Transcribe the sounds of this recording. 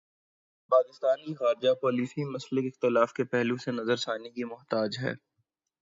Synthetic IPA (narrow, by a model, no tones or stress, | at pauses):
paːkɪst̪aːnkixaːɾd͡ʒapɔːliːsimɐslɪkɪxt̪ɪlaːfkepɛɦlusenɐzəɾsaːnikimʊɦt̪aːd͡ʒɦɛ̰ː